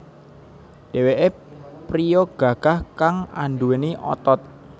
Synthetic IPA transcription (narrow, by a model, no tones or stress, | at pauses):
ɖ̥eweʔe | pɾijoɡ̥ä̤ɡ̥ahkaŋa̰nɖ̪uweniʔɔ̰t̪ɔt̪̚